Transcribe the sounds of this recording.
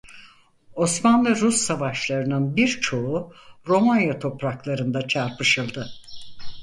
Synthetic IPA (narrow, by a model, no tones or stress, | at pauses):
o̞smanlˠɯɾusːavaʃlˠaɾɯnɯnbiɾt͡ʃʰo̞uɾo̞manjat̪ʰo̞pɾaklˠaɾɯnd̪at͡ʃʰaɾpɯʃɯlˠd̪ɯ